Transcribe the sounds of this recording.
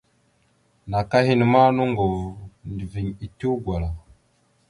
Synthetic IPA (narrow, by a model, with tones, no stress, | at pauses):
na˨ka˦hi˦ni˨ma˦nu˦ŋɡo˨vu˨ndi˨vi˨ɲi˨ti˦u˦ɡwa˨la˨